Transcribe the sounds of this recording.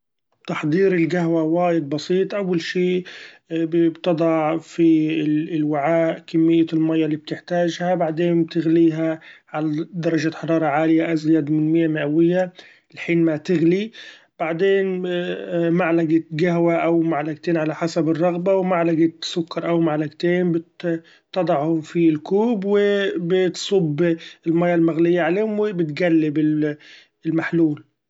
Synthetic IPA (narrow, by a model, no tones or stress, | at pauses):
t̪ɑħd̪ˤiːɾɪlɡaɦwawaːjɪd̪̚bɑsiːt̪ˤʔawːalʃiː | bbt̪ɑd̪ˤɑʕfiɪlwɪʕaːʔkɪmːɪjːalmajːalːiːb̚t̪ɪħt̪aːʒhabaʕd̪eːnb̚t̪ɪɣliːɦaʕalad̪ɑɾˤɑʒaħɑɾˤɑːɾˤɑʕaːlɪjaʔazɪjaːd̪mɪnmɪjːamɪʔawɪjːa | lħiːnmat̪ɪɣli | b̥aʕd̪eːn | maʕlaɡat̪ɡaɦwaʔawmaʕlaɡt̪eːnʕalaħasabɪrˤːɑɣbawmaʕlaɡat̪sʊkːɑɾˤʔawmaʕlaɡt̪eːnbɪt̪ː | ɑd̪ˤɑʕhʊmfilkuːbwɪbɪt̪sˤʊbːɪlmaːjːalmaɣlɪjːaʕaleːmwɪbɪt̪ɡalːɪbɪ | ɪlmaħluːl